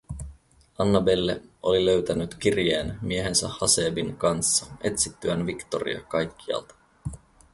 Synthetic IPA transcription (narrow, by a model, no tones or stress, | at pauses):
ɑnːɑbe̞lːeo̞lilø̞ɥt̪ænyt̪k̟irjeːnmie̞ɦe̞nsæhɑse̞ːbiŋkɑnsːɑe̞t̪sit̪ːyænʋikt̪o̞rḭɑ̰kɑjkːiɑ̰lt̪ɑ̥